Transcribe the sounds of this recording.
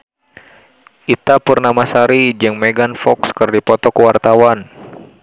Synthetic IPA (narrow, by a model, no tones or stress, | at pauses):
ʔit̪apərnamasaɾid͡ʒɨŋmɛɡanfɔkskɨrdipɔt̪ɔkəwart̪awan